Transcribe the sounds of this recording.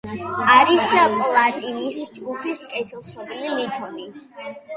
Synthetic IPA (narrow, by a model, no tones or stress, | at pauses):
aɾispʼlˠat̪ʼinisd͡ʒɡupʰiskʼɛt̪ʰilˠʃɔbililit̪ʰɔni